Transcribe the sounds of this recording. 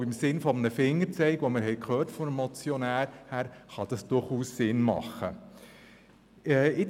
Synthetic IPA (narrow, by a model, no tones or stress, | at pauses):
ɪmsɪnfɔmənəfɪŋːəɾt͡sɛɪkʋoməɾɦɛɪkχøːɾtfɔdmːɔt͡sjɔnæːɾhæːɾχɑd̥ɑsd̥ʊɾχuːsːɪnmɑ̰χə | ɛːɪ